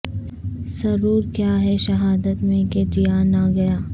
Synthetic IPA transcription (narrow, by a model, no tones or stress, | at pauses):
sɐɾuːɾkjaːɦɛʃɐɦaːd̪ət̪mẽked͡ʒijaːnaɡɐjaː